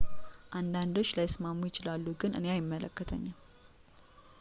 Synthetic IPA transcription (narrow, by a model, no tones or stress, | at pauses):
ʔand̪and̪o̞t͡ʃːlajɪsmamːujɪt͡ʃɪlalːuɡɨnʔɨ̰neajɪmːələkːət̪ʰə̰ɲːam